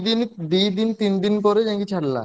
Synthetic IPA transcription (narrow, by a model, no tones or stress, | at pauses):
d̪ind̪id̪int̪ind̪inpɔɾed͡ʑãŋkit͡ɕʰaɽla̰